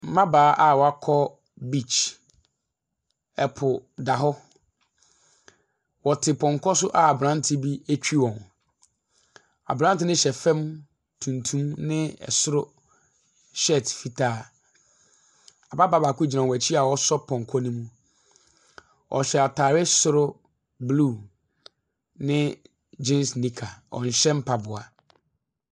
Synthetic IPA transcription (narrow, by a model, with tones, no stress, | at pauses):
m̩˦mã˦baː˨˦ʔa˨wɔ˨a˦kʰɔ˦ | bi˦˨t͡ɕ | ɛ˨pʰʊ˨da˨ɦɔ˦ | wɔ˨tʰɪ˨pʰɔ̃˨ŋkʰɔ˦sʊ˦ʔa˨a˨bɾã˦n˦tʰɪ˦bi˦æ˦t͡ɕᶣi˦wɔ̃˨n | a̰˨bɾã˦n˦tɪ˦nɪ̃˦ɕɛ˨fɛ̃˦m | tʰũ˨ntʰũ˦mnɪ̃˦ɛ̰˨sʊ˦ɾʊ˦ | ɕɛ˦˨tfi˦tʰaː˦˨ | a˨ba˦ba˦ba˨kʊ˦d͡ʑi˨nã˨wæ˨t͡ɕʰi˦a˨wɔ˦sɔ˦pʰɔ̃˨ŋ˨kʰɔ˦nũ˦mũ˦ | ʔɔ̰˨ɕɛ˨a˨tʰaː˨ɾɪ˦sʊ˦ɾʊ˦ | blu˦˨ | nɪ̃˦ | d͡ʑẽ˦msnĩ˦kʰa˨ɔ̰̃˨n̩˨ɕɛ̃˦m˦pʰa˨bʊ˨a˨